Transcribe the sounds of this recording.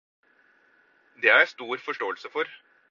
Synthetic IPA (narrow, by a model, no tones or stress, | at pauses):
d̪eːhæɾæst̪uːɾfɔʂʈoːəlsəfɔɾ